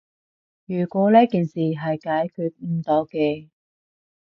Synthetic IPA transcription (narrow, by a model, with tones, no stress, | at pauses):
jyː˨˩kʷɔː˨˥liː˥kiː˨nsiː˨˩ɦɐ˨jkaː˨˥jkʰyː˧t̚m̩˧t̪ɔː˨˥wkɛː˧